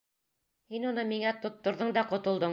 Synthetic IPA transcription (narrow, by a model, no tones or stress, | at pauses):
hinŏnɤmiŋæt̪ŏt̪ːŏɾðɤɴd̪ɑqŏt̪ŏlˠd̪ɤɴ